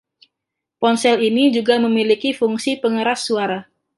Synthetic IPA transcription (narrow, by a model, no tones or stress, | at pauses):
pɔnsɛlinid͡ʒuɡaməmilikifuŋsipəŋəɾasːuaɾa